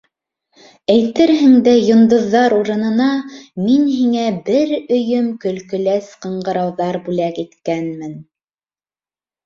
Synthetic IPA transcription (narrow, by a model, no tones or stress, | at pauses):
æjt̪ɘɾɦɘ̆ŋd̪æjŏnd̪ŏðːɑɾuɾɤ̆nɤ̆nɑminɦiŋæbɘɾɵ̆jɵmkɵ̆lkɵ̆læsqɤ̆ɴɢɤ̆ɾɑwðɑɾbʉlækit̪kænmɘn